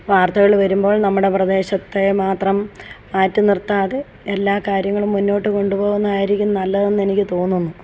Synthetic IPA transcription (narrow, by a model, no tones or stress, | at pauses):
ʋaːrt̪ɐɣɐɭʋɐɾumbo̞ːɭnɐmːuɽe̞prɐd̪e̞ːɕɐt̪ːe̞maːt̪rɐmː | aːtːɐnirt̪ːaːðe | elːaːkaːɾjɐŋːɐɭumːunːo̞ːʈːɨko̞ɳɖupo̞ːɣunːɐðaːjiɾikʲːunːɐːnɐlːɐðe̞nːe̞nikʲːɨt̪o̞ːnːunːu